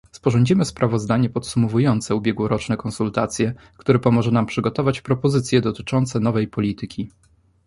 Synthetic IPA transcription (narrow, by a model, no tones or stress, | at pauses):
spɔʐɔɲd͡ʑimɘspɾavɔzd̪aɲɛpɔt̪sumɔvujɔnt̪sɛubʲjɛɡwɔɾɔt͡ʂnɛkɔ̃nsult̪at̪sʲjɛ | kt̪uɾɛpɔmɔʐɛnampʂɘɡɔt̪ɔvat͡ɕpɾɔpɔzɘt̪sʲjɛd̪ɔt̪ɘ̥t͡ʂɔnt̪sɛnɔvɛjpɔlʲit̪ɘkʲʰi